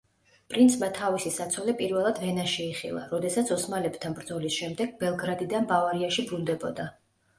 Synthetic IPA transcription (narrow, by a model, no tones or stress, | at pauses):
pʼɾint̪sʰmat̪ʰavisisat̪sʰɔlɛpʼiɾvɛlˠad̪vɛnaʃɛiχḭlˠa̰ɾɔd̪ɛsat̪sʰɔsmalɛb̥t̪ʰanbɾd̪zɔlisʃɛmd̪ɛɡ̥̚bɛlˠɡɾad̪id̪anbavaɾiaʃibɾund̪ɛbɔd̪a